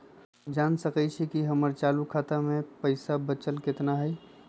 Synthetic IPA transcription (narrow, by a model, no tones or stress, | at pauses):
d͡ʒaːnsəkət͡ʃʰikiɦəməɾt͡ʃaːlukʰaːt̪amẽpəɪsabət͡ʃəlkɪt̪naɦɛj